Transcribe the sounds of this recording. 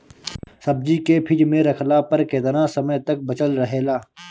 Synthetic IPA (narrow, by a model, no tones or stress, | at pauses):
sɐb̚d͡ʒikepʰɪd͡ʒmẽɾɐkʰlaːpɐɾkeːd̪ənãːsɐməjt̪ɐk̚bɐt͡ʃəlɾɐɦeːlaː